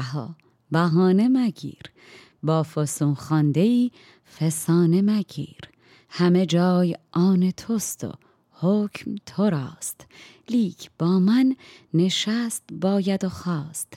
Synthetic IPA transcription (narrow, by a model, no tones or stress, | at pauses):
ɦɒ̰ː | bæɦɒːne̞mæɡḭːɾ | bɒːfosumxɒːnd̪e̞iː | fesɒːnemæɡḭːɾ | hæme̞d͡ʒɒːjʔɒːnet̪ʰost̪o̰ | hoːcʰmt̪ʰoɾɒːst̪ | liːkʰb̥ɒːmænːe̞ʃæst̪bɒːjæd̪oxɒːst̪